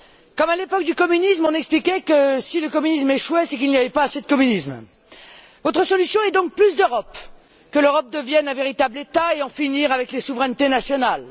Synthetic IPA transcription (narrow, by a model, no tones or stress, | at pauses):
kɔmalepɔk̚d̪ykɔmynismɔ̃nɛksplikʲɛkəsiləkɔmynis̬mɛʃwɛsɛkilnijavɛpaːsed̪əkɔmynism | vot̪χəsɔlysjɔ̃ɛd̪ɔ̃k̚plys̬d̪øʁɔp | kəløʁɔp̚d̪əvjɛnɛ̃veʁit̪ablet̪aeɑ̃finiʁavɛklesuvʁɛnt̪enasjɔnal